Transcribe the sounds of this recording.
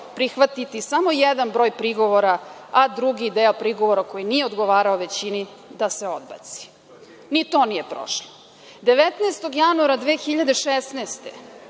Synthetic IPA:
pɾixʋat̪it̪isamo̞jed̪anbɾo̞ːjpɾiɡo̞ʋo̞ɾaad̪ɾuɡid̪eːopɾiɡoʋoɾako̞jinije̞od̪ɡo̞ʋaːɾaoʋe̞t͡ɕini | d̪ase̞o̞d̪̚ba̰t̪si̥ | nit̪o̞ːnijepɾo̰ʃlo | d̪e̞ʋet̪neːst̪o̞ɡjanuaɾad̪ʋeːxiʎad̪e̞ʃesneːst̪ḛ

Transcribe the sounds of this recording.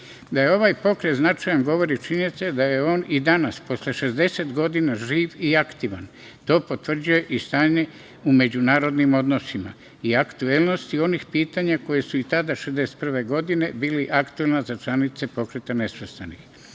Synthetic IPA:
d̪ajeo̞ʋaːjpo̞kɾe̞t̪znat͡ʃajanɡo̞ʋo̞ɾit͡ʃint̪sed̪aje̞o̞ːnid̪anaspo̞sleʃe̞zd̪e̞set̪ɡo̞d̪inaʒiːʋiakt̪iʋan | t̪o̞ːpo̞t̪ʋr̩d͡ʑuje̞ʔist̪aːɲe̞ | ume̞d͡ʑunaːɾo̞d̪nimo̞d̪no̞sima̰ | iakt̪uelno̞st̪io̞nixpiːt̪aɲako̞je̞suit̪ad̪aʃezd̪eset̪̚pr̩ʋe̞ɡo̞d̪ine̞biːliʔakt̪uelnazat͡ʃlanit̪se̞po̞kɾet̪ane̞sʋest̪anix

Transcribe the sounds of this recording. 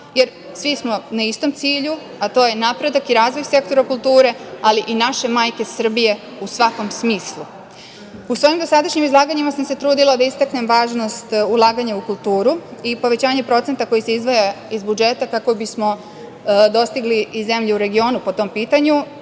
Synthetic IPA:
je̞ɾ | sʋismo̞naist̪o̞mt̪siːʎu | at̪o̞ːje̞napɾe̞d̪akiɾaːzʋo̞jse̞k̚t̪o̞ɾakulˠt̪uːɾe̞aliʔinaʃe̞maːjke̞sr̩bije̞ | usʋako̞msmiːslˠu | usʋo̞ːjimd̪osad̪aʃɲimizlˠaːɡaɲimasamse̞t̪ɾuːd̪ilad̪aist̪akne̞mʋaːʒno̞st̪ulˠaːɡaɲaukulˠt̪uːɾuipo̞ʋe̞t͡ɕaːɲe̞pɾo̞t̪e̞nt̪ako̞jise̞izʋoja | izbud͡ʒe̞t̪akako̞bismo̞ | d̪o̞st̪iɡliːze̞mʎeuɾe̞ɡio̞ːnupo̞t̪o̞mpiːt̪aɲu

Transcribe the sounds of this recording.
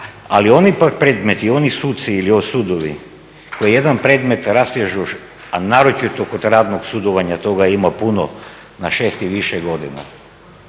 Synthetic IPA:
a̰lio̞nipak̚pɾe̞ːd̪me̞t̪io̞nisut̪t̪siːliosuːd̪oʋi | ko̞jije̞d̪anpɾe̞ːd̪me̞t̪ɾasjeʒu | anaːɾot͡ʃit̪okod̪ɾaːd̪noɡsud̪oʋaɲat̪o̞ɡaimapuno̰ | naʃeːst̪iʋiʃɛɡo̞d̪ina̰

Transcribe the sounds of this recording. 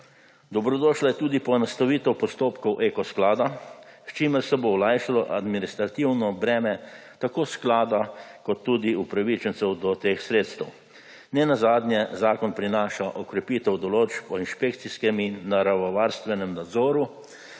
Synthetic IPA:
d̪ɔbɾɔd̪ɔːʃlajɛt̪uːd̪ipɔɛnast̪aʋiːt̪ɛwpɔst̪oːpkɔwʔekɔsklaːd̪ast͡ʃiːməɾsɛbowlajʃalɔʔad̪minist̪ɾat̪iwnɔbɾɛːmɛt̪akoːsklaːd̪akɔt̪ːuːd̪iupɾaʋit͡ʃɛnt̪sɛwd̪ɔt̪eːxsɾeːt̪st̪ɛw | nɛnazaːd̪njɛzaːkɔnpɾinaːʃaʔɔkɾɛpiːt̪ɛwd̪ɔloːt͡ʃpɔinʃpekt̪siskɛminːaɾaʋɔʋaːɾst̪ʋɛnɛmnad̪zɔːɾu

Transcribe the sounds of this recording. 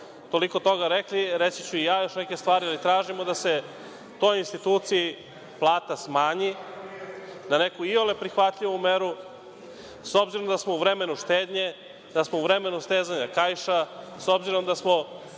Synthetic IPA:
t̪o̞liko̞t̪o̞ɡaɾekliɾet̪sit͡ɕuijaːjo̞ʃneke̞st̪ʋaːɾialit̪ɾaːʒimo̞d̪ase̞ | ut̪o̞jinst̪it̪uːt̪siji | plˠaːt̪asmaːɲi | nane̞kuiolepɾixʋat̪ʎiʋumeɾu | so̞bziɾo̞md̪asmo̞uvɾe̞me̞nuʃt̪eːd̪ɲe̞ | d̪̥asmo̞uvɾe̞me̞nust̪eːzaɲakajʃa | so̞bziɾo̞md̪asmo̞

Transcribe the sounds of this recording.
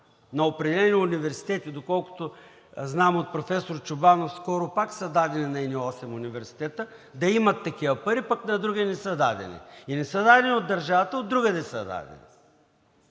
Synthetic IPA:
nɐopɾɛd̪ɛlɛniʊnivɛɾsi̥t̪ɛt̪id̪okɔlˠkʊ̥t̪ʊ | znamot̪̚pɾofɛsoɾt͡ʃʊbanofskɔɾʊpaksəd̪ad̪ɛninɐɛniɔsɛmʊnivɛɾsi̥t̪ɛt̪ə | d̪ɐimɐt̪ːɐkivɐpɐɾipaknɐd̪ɾuɡʲinɛsəd̪a̰d̪ɛ̰nḭinɛsəd̪ad̪ɛnʲiod̪ːɐɾʒavɐt̪əod̪ːɾuɡəd̪ɛsɐd̪a̰d̪ɛ̰nḭ

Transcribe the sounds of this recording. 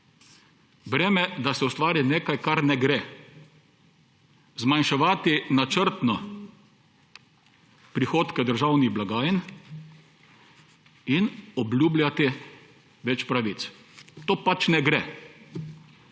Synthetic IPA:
bɾɛːmɛd̪asɛʊst̪ʋaːɾineːkajkaɾnɛɡɾe | zmanʃɛʋaːt̪inat͡ʃəɾt̪nɔ | pɾixoːt̪kɛd̪əɾʒawniɣblaɡaːjən | inɔblʲuːblʲat̪i | ʋɛt͡ʃpɾaʋit̪s | t̪oːpat͡ʃnɛɡɾɛ

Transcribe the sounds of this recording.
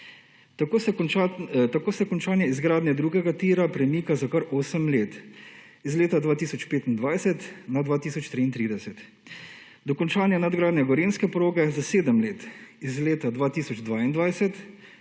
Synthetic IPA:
kː | t̪akoːsɛkɔnt͡ʃaːnjɛizɡɾaːd̪njɛd̪ɾuːɡɛɡat̪iːɾapɾɛmiːkazakaɾoːsəmleːt̪izleːt̪ad̪ʋaːt̪iːsɔt͡ʃpeːt̪ind̪ʋaːjsɛt̪nad̪ʋaːt̪iːsɔt͡ʃt̪ɾiːnt̪ɾiːd̪ɛsɛt̪ | d̪ɔkɔnt͡ʃaːnjɛnad̪ɡɾaːd̪njɛɡɔɾeːnskɛpɾoːɡɛzaseːd̪əmleːt̪izleːt̪ad̪ʋaːt̪iːsɔd͡ʒd̪ʋaːind̪ʋajsɛt̪

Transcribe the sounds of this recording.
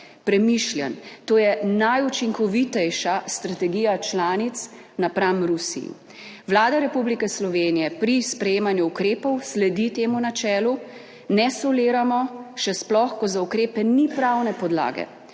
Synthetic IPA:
pɾɛmiʃljant̪oːjɛnajut͡ʃiŋkɔʋit̪ɛjʃast̪ɾat̪ɛɡijat͡ʃlaːnit̪s | napɾamɾusḭjḭ | ʋwlaːd̪aɾɛpublikɛslɔʋeːnijɛpɾispɾɛjeːmanjuːkɾeːpɔwslɛd̪it̪eːmunat͡ʃɛːlu | nɛsɔleːɾamɔʃɛsplɔxkɔzaukɾeːpɛnipɾawnɛpɔd̪la̰ːɡɛ̰

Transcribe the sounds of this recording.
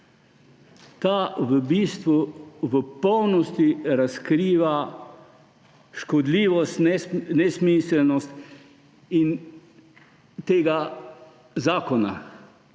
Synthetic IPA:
t̪aːʋəbiːst̪ʋuʋəpɔwnɔst̪iɾaskɾiːʋa | ʃkɔd̪liːʋɔst̪ɛnɛsmisɛlnɔst̪ | in | t̪eːɡa | zaːkɔna̰

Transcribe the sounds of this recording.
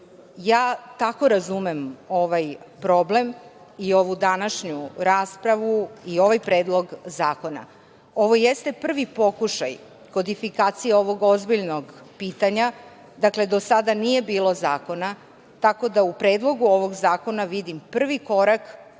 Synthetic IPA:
jaːt̪ako̞ɾazumemo̞ʋajpɾo̞ble̞m | io̞ʋud̪anaʃɲuɾaːspɾaʋuio̞ʋajpɾe̞ːd̪lˠo̞ɡzaːko̞na̰ | oʋo̞jest̪e̞pr̩ʋipo̞kuʃa̰j | ko̞d̪ifikaːt̪sijeo̞ʋo̞ɡo̞zbiʎnoɡpiːt̪aɲa | d̪akle̞d̪o̞sad̪anije̞biːlo̞zaːko̞na | t̪ako̞d̪aupɾeːd̪lˠo̞ɡuo̞ʋo̞ɡzaːko̞naʋid̪impr̩ʋiko̞ɾak

